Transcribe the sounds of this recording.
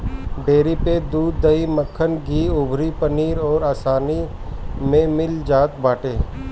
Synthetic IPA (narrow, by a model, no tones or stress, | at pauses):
ɖeːɾiped̪uːd̪ːɐiməkʰːənɡiːʊbʱɾipəniːɾɔːɾaːsaːni | mẽmɪld͡ʒaːt̪baːʈeː